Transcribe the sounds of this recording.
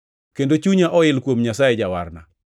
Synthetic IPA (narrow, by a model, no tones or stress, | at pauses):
kendot͡ʃuɲaʔɔɪlkwomɲasajed͡ʒawa̰rna